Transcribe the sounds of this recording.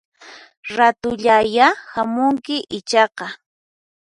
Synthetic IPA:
ɾat̪ʊʎajahamʊŋkɪʔɪt͡ʃɑqɑ

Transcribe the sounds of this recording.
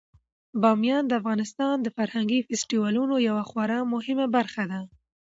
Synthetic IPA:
bɑmjɑnd̪əafɣɑnɪst̪ɑnd̪əfaɾhaŋɡifɪsʈiwɑlunojawaxwaɾamʊhɪmabaɾxad̪a

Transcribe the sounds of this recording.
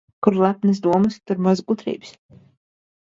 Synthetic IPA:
kuɾlˠapnɨsd̪uɔmɨst̪uɾmazɡut̪ɾḭːbs

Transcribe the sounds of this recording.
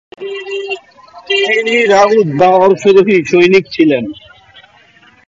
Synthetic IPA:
iniɾaud̪̚baɔɾʃoɾoɦiʃojnik̚t͡ɕʰilen

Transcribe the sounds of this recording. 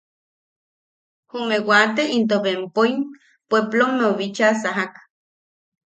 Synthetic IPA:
humewat̪eint̪̬oβempoim | pweplomːeoβit͡ʃasaɦak

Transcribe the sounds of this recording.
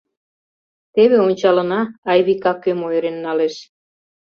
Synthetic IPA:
t̪eβĕonʲt͡ɕɑlə̆nɑːjβikɑkømojɾenːɑleʃ

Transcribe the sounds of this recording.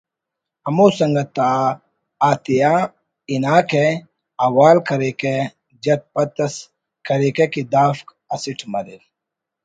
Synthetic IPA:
ɐmoːsɐŋɡɐt̪ːaː | aːt̪ija | inaːke | ɐwaːlkɐɾeːke | d͡ʒɐt̪̚pɐt̪ːɐs | kɐɾeːkekid̪aːfk | ɐsiʈʰmɐɾil

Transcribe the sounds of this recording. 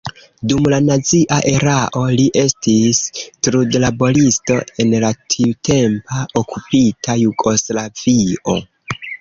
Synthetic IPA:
dumlanat͡siʔaʔe̞ɾaʔo̞liʔe̞stistɾudlabo̞listo̞e̞nlatʰiutʰe̞mpaokʰupitʰajuɡo̞slav̥io̞̰

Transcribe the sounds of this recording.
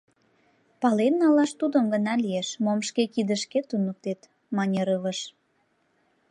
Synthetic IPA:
pɑlenːɑlɑʃt̪ud̪əmɡənɑlijeʃmomʃkekid̪əʃket̪unək̚t̪et̪ | mɑnʲeɾələʃ

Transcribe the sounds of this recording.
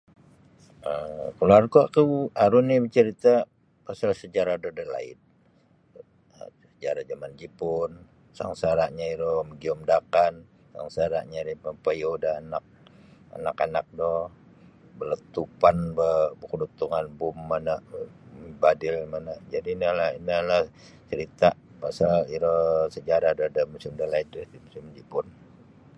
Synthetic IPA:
əkəluarkuakuaɾunibət͡ʃəɾit̪a | pasalsəd͡ʒaɾadadəla̰ɪ̰t̪̚ | səd͡ʒaɾad͡ʒamand͡ʒipʊn | sa̰ŋsaɾaʔɲaidɔhməɡiɔmdakan | sa̰ŋsaɾa̰ʔɲaɾipəpəjodaːnak̚a̰nakanak̚dɔh | bələt̪upanbəbəkudut̪uŋanbʊmːanəʔ | badɪlmanaʔd͡ʒadinalainəlah | t͡ʃəɾit̪aʔ | pasaliɾosəd͡ʒaɾahdodəmusɪmdəlaidədimusimd͡ʒipʊn

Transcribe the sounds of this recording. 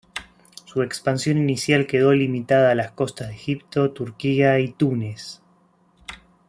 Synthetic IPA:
suekspansjo̞ninisjalke̞ðo̞limit̪aðaːlasko̞st̪azðexip̚t̪o̞t̪uɾkiait̪unes

